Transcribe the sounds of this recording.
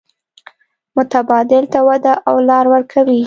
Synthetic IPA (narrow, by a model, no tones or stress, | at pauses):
mʊt̪abɑd̪ɪlt̪awad̪aʔawlɑɾwəɾkʰawi